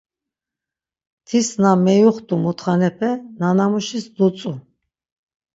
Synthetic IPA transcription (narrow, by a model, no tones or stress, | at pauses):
t̪ʰisnamɛjuχt̪ʼumut̪ʰχanɛpʰɛnanamuʃisd̪ut͡sʼu